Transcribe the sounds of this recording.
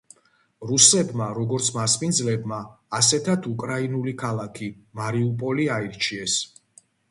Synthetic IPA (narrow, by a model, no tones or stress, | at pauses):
ɾusɛbmaɾɔɡɔɾt̪sʰmaspind̪zlɛbmaː | sɛt̪ʰat̪ʰukʼɾainulikʰalˠakʰimaɾiupʼɔliaiɾt͡ʃʰiɛs